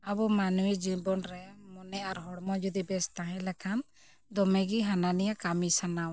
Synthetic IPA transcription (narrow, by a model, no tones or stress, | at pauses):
abumanuwid͡ʒubɔnɾɛmɔnɛaɾɦɔɽmɔd͡ʒud̪ibɛst̪ãɦɛ̃lɛkʰan | d̪ɔmɛɡiɦananijakamisanaw